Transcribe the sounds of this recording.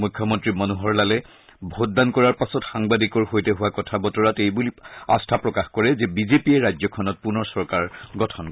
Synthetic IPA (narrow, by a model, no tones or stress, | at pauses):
mujkʰːjɔmɔntɹimanuɦɔɹlalɛ | bʱot̚dankɔɹaɹpasɔtxaŋbadikɔɹhojtɛɦuwakɔtʰabɔtɔɹatejbulia̰stʰapɹɔkaxkɔɹɛzɛbizepiɛɹajd͡ʒzɔkʰɔnɔt̚punɔɹsɔɹkaɹɡɔtʰɔnk